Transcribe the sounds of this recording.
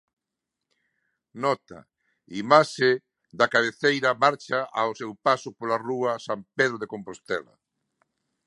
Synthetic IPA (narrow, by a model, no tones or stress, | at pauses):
nɔt̪ɐ̰ | imaʃe | d̪ɐkaβ̞eθejɾɐmaɾt͡ʃaʔawsewpasʊpolaruɐsampeðɾʊðekompost̪ɛlɐ̰